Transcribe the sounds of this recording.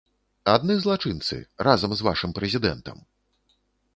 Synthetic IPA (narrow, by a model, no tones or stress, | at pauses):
ad̪̚nɨzlˠat͡ʂɨnt̪sɨ̰razɐmzva̰ʂɨmpɾɛzʲid̪ɛ̰nt̪ɐ̰m